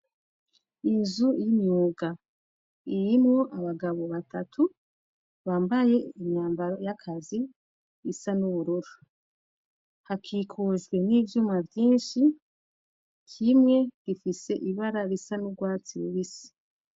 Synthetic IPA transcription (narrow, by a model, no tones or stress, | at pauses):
inzujimɲuːɡa | iɾimŋoʔaβaɡaβo̞βatʰatʰu | βaːmbaje̞iɲɲaːmbaɾojakʰazi | ɾisanuβuɾuɾo | hakʰiːkʰoʒɡwe̞niːvjuːmavjiːnʃi | kʰimŋe̞ɡ̥ifise̞ʔiβaɾaɾisanuɡwaːt͡siɾuβisi̥